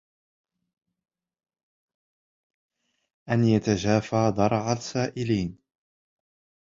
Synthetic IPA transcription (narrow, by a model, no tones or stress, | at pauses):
ʔanjat̪aʒaːfaːd̪ˤɑɾˤʕalsaːʔɪliːn